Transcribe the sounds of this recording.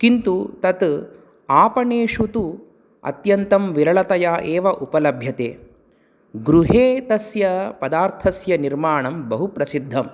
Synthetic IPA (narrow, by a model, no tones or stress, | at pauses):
kint̪ut̪ɐt̪ | aːpɐɳeːʂut̪u | ɐ̰t̪jɐnt̪ɐmʋiɾɐɭɐt̪ɐjaːʔɛːʋɐʔupɐlɐbʱjɐt̪eː | ɡɾuɦeːt̪ɐsjɐpɐd̪aːɾt̪ʰɐsjɐniɾmaːɳɐmbɐɦupɾɐsid̪ʱːɐm